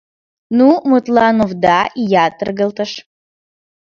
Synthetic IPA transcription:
numɨtʼlanuvdaijat̪ʼɨrɡəltʼəʂ

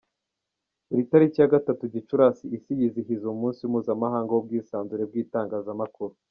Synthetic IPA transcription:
iɾitaɾicijaɡatatuɟit͡ʃuɾasiːsijiziɦizoumuːnsiwumuːzamaɦaːŋɡawob̚ɡiːsaːnzuɾe̞b̚ɡiːtaːŋɡaːzamakuɾu

